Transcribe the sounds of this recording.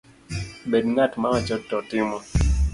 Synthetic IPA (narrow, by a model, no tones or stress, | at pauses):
bedŋatmaŋɔt͡ʃɔtːɔtɪmɔ